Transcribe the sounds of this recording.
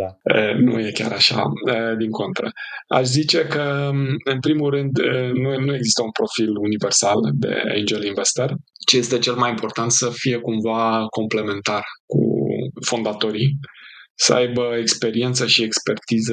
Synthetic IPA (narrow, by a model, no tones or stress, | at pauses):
ə̰nṵje̞kʲa̰ɾaʃa̰əd̪iŋko̞nt̪ɾə̰a̰ʃzit͡ʃe̞kəɨnpɾimulrɨnd̪nunue̞ɡzist̪əunpɾo̞filunive̞rsald̪e̞̰ḛnd͡ʒelinvest̪er | t͡ʃeje̞st̪e̞t͡ʃelmajimpo̞rt̪ant̪səfije̞kumvako̞mple̞me̞nt̪arkṵfo̞nd̪at̪o̞ɾi | səajbəekspe̞ɾie̞nt̪səʃiekspe̞rt̪izə